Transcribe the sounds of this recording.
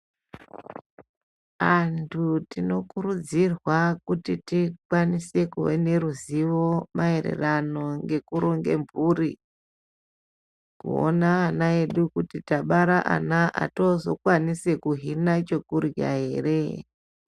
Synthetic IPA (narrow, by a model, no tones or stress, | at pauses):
antʰutino̞kuɾud͡zirwakutitikwanise̞kuwḛne̞ɾuziʋo̞mae̞ɾe̞̰rano̞ŋɡe̞kuɾoŋɡe̞̰mburi | kṵo̰naːnaeɗukutitaɓaɾaʔa̰naʔa̰to̞zo̞̰kwanise̞kuɦinat͡ʃo̞kurja̰ɦe̞ːre